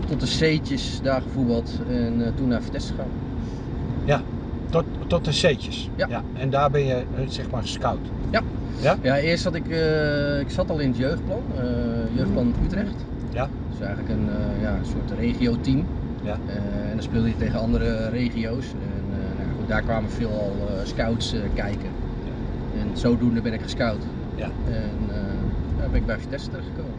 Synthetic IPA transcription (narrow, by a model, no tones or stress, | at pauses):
tɔt̚əseːtjəsdaːɣəfubəlˠtɛntunaːfərtɛstə̥xa | ja | ɔtəseːtjəs | jaj | ɛndaːbɪnjəsɛxmaːrskawt | ja | jaɪəstatɪk | ɪksatɔlˠɪnətjøːxt̚plɔnjøːxt̚planətytrɛxt | j | ɪsɛjɣənləkənjaənsʊətreːχiowtim | ɛndɔnspɪːlˠdəjəteːɣənɑndəɾəreːχiows | ɛnː | jaxut̚daːrkwaːmərfɪəlˠɔlˠskawtsəkɛjkə | ɛnsoːdundəbɪnɪkxə̥skawt | ɛndaːbɛnɪɡ̚bɛjfə̥tɛstərxə̥koːmə